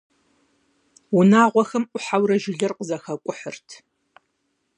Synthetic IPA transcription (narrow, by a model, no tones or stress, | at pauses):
ʊnaːʁʷɔxɐmʔʷʊħawɾɐʒɪɮɐrqəzɐxɐkʷʼʊħərtʰ